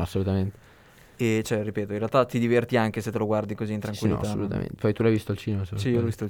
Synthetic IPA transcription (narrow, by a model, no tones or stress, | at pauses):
asːolut̪ament̪e̥ | et͡ʃɛripeːt̪oĩnrealt̪at̪id̪ivert̪iaŋk̟eset̪ːeloɡward̪ikoziːnt̪ɾaŋkwilːiao̰lut̪a̰mḛnt̪e̥fajt̪ulajvist̪oalt͡ʃiːnemassijiolɔvist̪oal